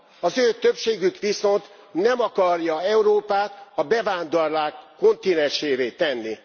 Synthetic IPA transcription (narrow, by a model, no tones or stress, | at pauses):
ɒzøːt̪øpʃeːɡykʋiso̞nt̪ | nɛmɒkɒrjɒɛuɾoːpaːt̪ɒbɛvaːnd̪ɔrlaːkːo̞nt̪inɛnʃeːveːt̪ɛnːi